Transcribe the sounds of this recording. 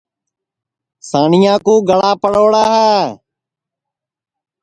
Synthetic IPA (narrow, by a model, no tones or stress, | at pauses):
saːɳɪjãːkũːɡəɭaːpəɽoːɽaːɦaː